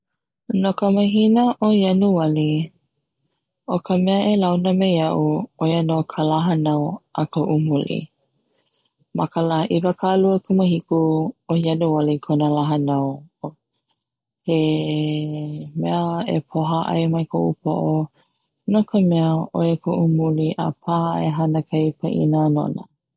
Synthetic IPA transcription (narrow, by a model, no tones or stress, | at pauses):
nokəməɦinəʔojɐnuwɐli | ʔokʰəmɛəʔelawnəmejɐʔuojənokʰəlaɦənɐwʔɐkoʔumulḭ | mɐkəlaʔivəkʰaluəkʰuməhikuohjadowalikʰonəlaɦɐnaw | he | mɛəḛpʰoɦaʔa̰jmɐjkʰoʔupo̰ʔo | nokʰəmɛəʔojəkʰoʔumuliʔə̰pʰa̰eɦɐnəkʰajpʰə̰ʔḭnano̰nə̰